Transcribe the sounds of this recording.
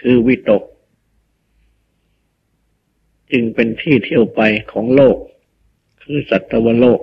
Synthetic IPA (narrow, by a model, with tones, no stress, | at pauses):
kʰɯː˧wi˦˥˩t̪o˨˩k̚ | t͡ɕɯ˧ŋpe˧nt̪ʰiː˥˩t̪ʰi˧˩əwpa˧jkʰɔː˩˦ŋloː˥˩k̚ | kʰːɯː˧sa˨˩t̪ʰːa˧wa˧loː˥˩k̚